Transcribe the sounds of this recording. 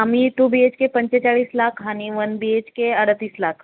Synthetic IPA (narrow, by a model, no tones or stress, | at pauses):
amit̪ubiet͡ʃkepəɲt͡ɕet͡ɕaɭiːslakʰɦaɽ̃iʋənbiet͡ʃkeəɽət̪iːslakʰ